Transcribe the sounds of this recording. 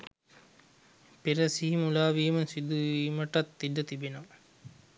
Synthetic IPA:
peɾɐsiɦimulaːʋiːmɐnsid̪uimɐʈɐt̪ːiɖːɐt̪ibino

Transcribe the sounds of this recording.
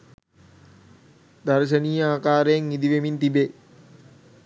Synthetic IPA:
d̪aɾʃ̬əniːəaːkaːɾəjeŋːid̪iʋemint̪ibe

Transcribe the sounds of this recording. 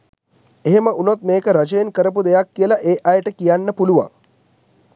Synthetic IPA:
eɦeməʔunot̪̚meːkəɾad͡ʒəjenkəɾəp̬ud̪ejakːiəlaʔeːʔajəʈəkijanːəpuluʋa̰

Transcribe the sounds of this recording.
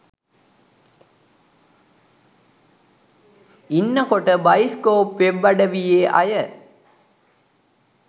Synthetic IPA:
ɪnːɐkɔʈːɐbɐjɪskoːpʋɛʋːɐɽɐʋijeːʔɐ̰jɐ

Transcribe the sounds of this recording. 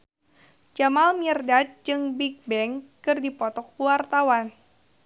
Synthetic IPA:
d͡ʒamalmirdat̪̚d͡ʒɨŋbik̚bɛŋkɨrdipɔt̪ɔk̚uwart̪awan

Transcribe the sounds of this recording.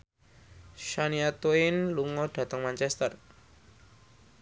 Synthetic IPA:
ʃaniat̪oɪnluŋɔd̪̥ä̤t̪əŋmant͡ʃɛst̪ər

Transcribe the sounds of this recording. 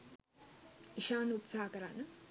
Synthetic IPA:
iʃaːnut̪saːakəɾanə

